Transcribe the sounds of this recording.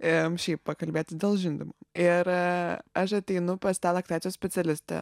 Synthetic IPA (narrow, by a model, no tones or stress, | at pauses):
ɪʃʲɛɪppɐkɐlʲbʲeːt̪ʲdʲeːlˠʒʲɪnʲd̪ʲɪmoɪɾɐʃɐt̪ʲɛɪnʊpɐst̪ɑːlˠɐkt̪ʲæːt̪t͡s̪ʲjoːsʲpʲɛtt͡s̪ʲɛlʲɪsʲt̪ʲɛ̰